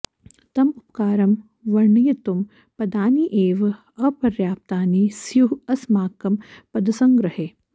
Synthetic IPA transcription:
t̪ɐmupkaːɾɐm | ʋɐɾɳijɐt̪um | pɐd̪aːniʔeːʋ | ɐpɐɾjaːp̚t̪aːnisjuɦɐsmaːkɐmpɐd̪ɐsɐŋɡɾɐheː

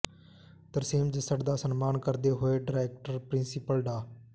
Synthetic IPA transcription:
t̪əɾsiːmd͡ʒəsəɖd̪aːsənmaːnkəɾd̪eːɦoːeːɖəɾeːk̚ʈəɾpɾɪnsɪpəlɖaː

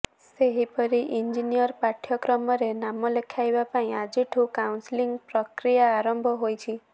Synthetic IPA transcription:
seɦipɔɾiʔiɲd͡ʒinijɔɾpaʈʰjɔkɾɔmɔɾenamɔlekʰajbapaĩad͡ʒiʈʰũkawnsliŋɡpɾɔkɾijaːɾɔmbʱɔɦojt͡ʃʰi

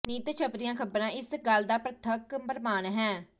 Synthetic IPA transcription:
niːt̪t͡ʃʰəpd̪ɪjãːkʰəbɾãːʔɪsɡəld̪aːpɾət̪ʰəkbəɾmaːnɦɛ̃ː

